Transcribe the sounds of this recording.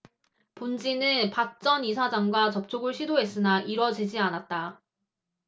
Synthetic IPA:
pond͡ʑinɯnpak̚t͡ɕ͈ʌnisʰad͡ʑaŋɡwat͡ɕʌp̚t͡ɕʰoɡɯɭɕʰidoɦe̞s͈ɯnaʔiɾʌd͡ʑid͡ʑianat̚t͈a

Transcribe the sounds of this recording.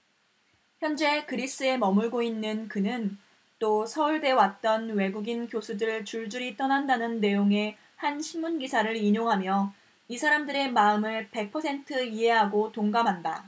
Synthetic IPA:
çjʌnd͡ʑe̞kɯɾis͈ɯe̞mʌmuɭɡoinːɯnkɯnɯn | t͈osʰʌuɭde̞wat̚t͈ʌnwe̞ɡuɡinkjosʰudɯɭt͡ɕuɭd͡ʑuɾit͈ʌnandanɯnːe̞joŋe̞ | hanɕʰinmːunɡisʰaɾɯɾiɲoŋɦamjʌ | isʰaɾamdɯɾe̞maɯmɯɭpe̞k̚pʰʌsʰe̞ntʰɯiɦe̞ɦaɡotoŋɡamɦanda

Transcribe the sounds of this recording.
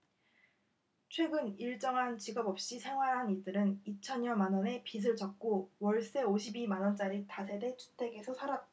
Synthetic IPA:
t͡ɕʰwe̞ɡɯniɭt͡ɕ͈ʌŋɦant͡ɕiɡʌbʌp̚ɕ͈isʰe̞ŋwaɾɦaniɭdɯɾɯnit͡ɕʰʌɲjʌnmanʌne̞pis̬ʰɯɭt͡ɕʌk̚k͈owʌɭs͈e̞oɕʰibimanʌnt͡ɕ͈aɾitas̬ʰe̞de̞t͡ɕʰu̥tʰe̞ɡe̞sʰʌsʰaɾat͈̚

